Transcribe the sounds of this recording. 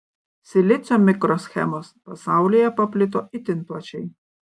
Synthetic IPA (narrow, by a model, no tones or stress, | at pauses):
sʲɪlʲɪt̪sʲomʲɪkɾoːsʲxʲɛ̰moːspɐsɑˑʊlʲijɛpɐpʲlʲɪt̪̬oːɪt̪ʲɪnplˠɐt͡ʃʲɛɪ